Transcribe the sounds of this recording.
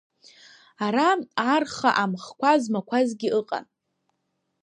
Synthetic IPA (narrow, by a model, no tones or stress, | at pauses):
aɾaarχaʔamχkʷazmakʷʰazɡʲiʔɨqʼa̰n